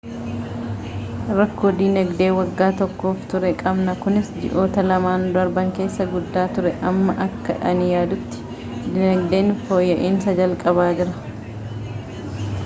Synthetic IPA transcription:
ɾɐkːoːd̪ɪnɐɡd̪e̞ːwɐɡːaːt̪ɔkːo̞ːft̪ʊɾɛkʼɐbnɐkʊnɪsd͡ʒɪ̰ʔo̞ːt̪ɐlɐmaːnd̪ɐɾbɐŋke̞ːsːɐɡʊd̪ːaːt̪ʊɾɛʔɐmːɐʔɐkːɐ̰ᶑɐnɪjaːd̪ʊt̪ːɪ̥ | d̪ɪnɐɡd̪e̞ːnfoːjːɐʔiːnsɐd͡ʒɐlkʼɐβaːd͡ʒɪɾɐ

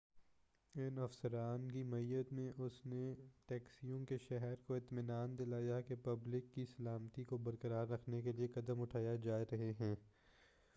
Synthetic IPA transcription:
ɪnɐfsəɾaːnkimɐijət̪mẽʔʊsneʈɛːksijõkeʃɛɦɛɾkoɪt̪mɪnaːnd̪ɪlaːjakepɐblɪkːisɐlaːmt̪ikobɐɾkəɾaːɾːɐkʰnekeliekɐd̪əmʊʈʰaːjad͡ʒaːɾɐɦeɦɛ̃ː

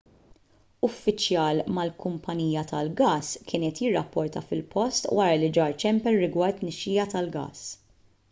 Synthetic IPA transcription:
ʊfːɪt͡ʃjɐːlmɐlkʊmpʰɐniːjɐt̪ɐlɡɐːskʰɪːnɛːt̪jɪrːɐpːɔɾt̪ɐfɪlpʰɔst̪wʔɐːɾɐlɪd͡ʒɐːɾt͡ʃɛmpɛɾːɪɡwɐɾt̪ːnɛʃːiːjɐt̪ɐlɡɐ̰ːs

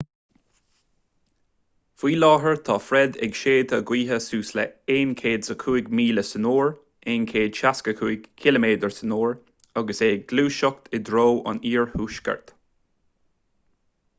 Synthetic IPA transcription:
v̥iːlɑːɦəɹt̪ʰɑːfɾɛd̪ɛ̰ɡʃeːd̪əɡwiːɦəsuːslə̰eːnkʰeːd̪zəkʰuːɪɡmiːləsənoːɹ | eːnkʰeːd̪̥ʃaskəkʰuːɪɡkʰɪləmeːd̪əɹsənoːɹ | aɡəseːɡ̚ɡluːʃɔk̚t̪ʰɪd̪ɾoːɑ̰niːɹhuːʃkə̰ɹt̪

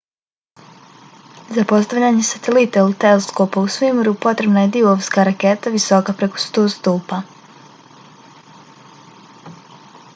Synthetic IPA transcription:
zapo̞st̪aʋʎaɲesat̪elit̪elt̪eleskoːpausʋimɾupo̞t̪ɾe̞bnaje̞d̪ioʋskaɾaket̪aʋiso̞kapɾe̞ko̞̥st̪oːst̪uːpa

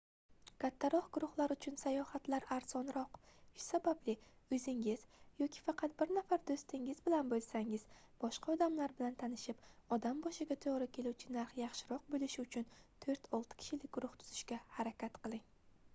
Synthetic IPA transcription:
kʰʲat̪ʰːaɾɒhɡ̥ʊɾʊχlˠaɾʊt͡ʃʰʊnsajɒhat̪laɾaɾzɒnɾɒqʃsabablɪ | ɵzɪŋɪzjɒkʲʰɪ̥fɑqʰɑt̪̚bɪɾnafaɾd̪ost̪ɪŋɪzbɪlanbolˠsaŋɪz̥ | b̥ɒʃqʰɑɒd̪amlaɾbɪlant̪ʰanɪʃɪpɒd̪ambɒʃɪɡʲat̪ʰoɒɾakʲʰe̞luwt͡ʃʰɪnaɾχjɑχʃɪɾɒq̚bolɪʃɪʊt͡ʃʰʊnt̪ʰɵɾt̪ʰɒlˠt̪ʰɪ̥kʲʰɪ̥ʃɪlɪk̚ʲɡ̥ʊɾʊχt̪ʰʊ̥z̥ɪʃkʲahaɾakʲat̪qɨlˠɪŋ

